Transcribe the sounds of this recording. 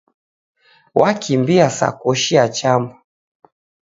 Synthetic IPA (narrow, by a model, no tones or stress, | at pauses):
wʔakʰimbiasa̰kɔʃiat͡ʃamba